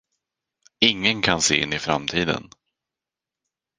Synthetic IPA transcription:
ɪŋːənkʰanseːɪ̰nːɪfɾa̰mt̪ʰiːd̪ə̰n

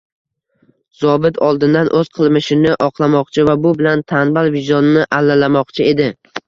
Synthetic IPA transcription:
z̥ɒbɪt̪ʰɒlˠd̪ɪnd̪anʔɵzqʰɨlˠmɪʃɪnɪʔɒqʰlˠamɒqt͡ʃʰɪvabʊbɪlant̪ʰanbalvɪʒɒnɪnɪʔalːalamɒqt͡ʃʰɪe̞d̪ɪ

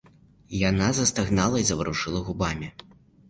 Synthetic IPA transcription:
janazɐst̪aɣnalˠɐizɐvɾuʂɨlˠɐɣubamʲi

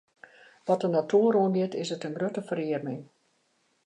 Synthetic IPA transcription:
ʋɔtənatʰuəɾoənɡɪtɪsətənɡrøtəfəɾɪərmɪŋ

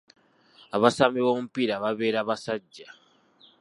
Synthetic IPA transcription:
aβasamiβoːmupiɾaβaβe̞ːɾaːβasaɟːa

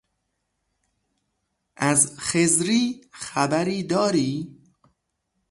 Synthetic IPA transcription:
ʔæzxezɾiːxæbæɾiːd̪ɒːɾiː

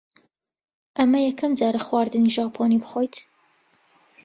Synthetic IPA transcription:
ʔɐmɐjɛkʰɐmd͡zɑːɾɐxwaːɾd̪ɨniʒɑːpʰoːnibɨxojt̪

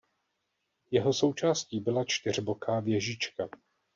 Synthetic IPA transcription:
jɛɦo̞so̞wt͡ʃaːsciːbɪlat͡ʃt̪ɪr̝bo̞kaːvjɛʒit͡ʃka

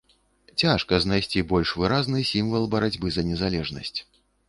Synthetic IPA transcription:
t͡sʲaʂkɐznajsʲt͡sʲibɔlʲʂvɨɾaznɨsʲimvɐlˠbɐɾad͡zʲbɨzɐnʲɛzalʲɛʐnɐ̰sʲt͡sʲ

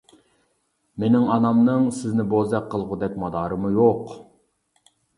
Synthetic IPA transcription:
menɪŋɑnɑmnɨŋsɪznɪbozɛkqʰːəlˠʁʊd̪ɛk̚ʲmɑd̪ɑːɾɨmujoq

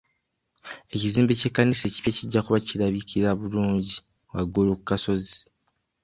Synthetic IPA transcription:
e̞ciziːmbece̞kːanise̞ːci̥pjeciɟːakuβaciɾaβikʰiɾaβuluːɲɟi | waɡolokukaso̞zi̥

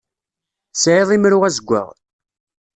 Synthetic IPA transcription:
sʕeðˤimɾʊʁæzəɡʷːə̰ʁ

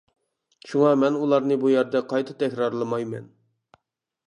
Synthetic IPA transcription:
ʃuŋɑmɛnulˠɑɾnɨbujæɾd̪ɛqʰɑjt̪ʰɨt̪ʰɛkʲɾɑɾlˠɨmɑjmɛ̰n

